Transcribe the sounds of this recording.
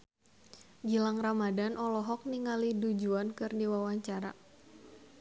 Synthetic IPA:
ɡilaŋramadanʔɔlɔɦɔk̚niŋalidud͡ʒuankɨrdiwawaɲt͡ʃaɾa̰

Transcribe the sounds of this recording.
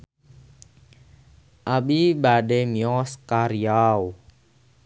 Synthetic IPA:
ʔabibadɛmiɔskaɾiau

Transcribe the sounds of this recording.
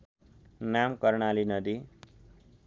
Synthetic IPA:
namkʌrɳalinʌd̪i

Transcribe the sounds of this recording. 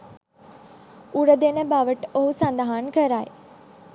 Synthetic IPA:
uɽəd̪enəbaʋəʈoɦusand̪aɦankəɾaj

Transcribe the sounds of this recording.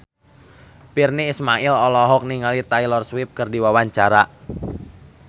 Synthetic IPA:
pirniːsmaʔɪlɔlɔɦɔk̚niŋalit̪ailɔrswɪp̚kərdiwawaɲt͡ʃaɾa

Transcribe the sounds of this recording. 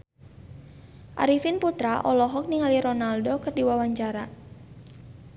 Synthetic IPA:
ʔa̰ɾifinput̪ɾaʔɔlɔɦɔk̚niŋaliɾɔnaldokɨrdiwawaɲt͡ʃaɾa

